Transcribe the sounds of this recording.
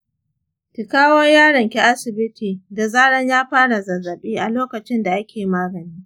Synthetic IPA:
ti˨kaː˦wɔ˦rjaː˦ɽɐ˨ŋkʲe˦ʔa˦sɪ˨bɪ˦tʰiː˨da˨zaː˦ɽɐ˦ɲjaː˦ɸaː˦ɽa˨zɐ˨zɐ˨ɓiː˦ʔa˨loː˦kɐ˨t͡ʃɪ˦nda˨ʔa˦kʲeː˨jmaː˦ɡɐ˨niː˦

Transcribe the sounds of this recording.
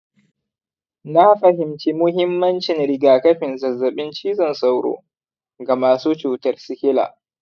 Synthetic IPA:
na˦ɸɐ˨hɪ˨mt͡ʃeː˦mʊ˦hɪ˦mːɐ˦nt͡ʃɪ˨nɽɪ˨ɡaː˨kɐ˦ɸɪ˨nzɐ˨zːɐ˨ɓɪ˦nt͡ʃiː˦zɐ˨nsa˦wɽo̰ː˦˨ | ɡa˨maː˨suː˦t͡ʃuː˨tɐ˦rsɪ˦kʲɪ˦la̰ː˨

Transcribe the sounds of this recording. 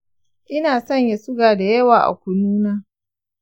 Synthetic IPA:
ʔɪ˦naː˨sɐ˦˨ɲja˨sʊ˦ɡaː˨da˨jɐ˦waː˨ʔa̰˨kʷʊ˨nuː˦naː˦

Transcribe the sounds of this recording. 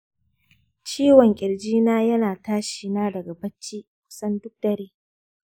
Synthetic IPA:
t͡ʃiː˦wɔ˨ŋkʲʼɪ˨ɽd͡ʒiː˦naː˦jɐ˦naː˨taː˦ʃiː˨naː˦dɐ˨ɡa˨bɐ˦t͡ʃːiː˦kʷʊ̥˦sɐ˦ndʊ˦k̚dɐ˨ɾeː˦

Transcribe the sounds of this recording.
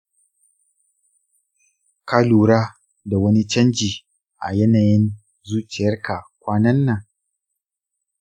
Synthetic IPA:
kaː˦luː˨ɾaː˦ | da˨wɐ˦ni˦t͡ʃɐ˦nd͡ʒiː˨ | ʔa̰˨jɛ˦naː˨jɪ˦n | zuː˦t͡ʃɪ˨jɐ˦rka˨kʷaː˦nɐ˦nːa˨ŋ

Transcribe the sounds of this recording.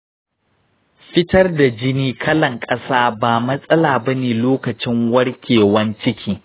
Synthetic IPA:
ɸɪ˦tɐ˦rda˨d͡ʒɪ˦niː˦kʰɐ˦lɐ˨ŋkʼɐ˦saː˦baː˨mɐ˦sʼɐ˦laː˨bɐ˦neː˨loː˦kɐ˨t͡ʃɪ˦ŋwɐ˦rkʲeː˨wɐ˦nt͡ʃɪ˦kʲiː˦

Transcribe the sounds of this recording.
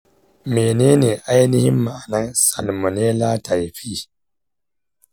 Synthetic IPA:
meː˨neː˦neː˨ʔa˦jnɪ˦hɪ˦mːa˨a˨nɐ˦nsa̰˨lmo˨neː˦laː˦ta˨jɸiː˦

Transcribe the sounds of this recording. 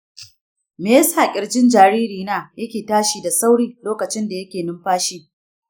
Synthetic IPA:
me˨˦jsaː˨kʲʼɪ˨rd͡ʒɪ˦nd͡ʒaː˨ɽiː˦ɾiː˨naː˦jɐ˦kʲeː˨taː˦ʃiː˨da˨sa˦wɽiː˦loː˦kɐ˨t͡ʃɪ˦nda˨jɐ˦kʲeː˨nɪ˦mɸaː˦ʃiː˦

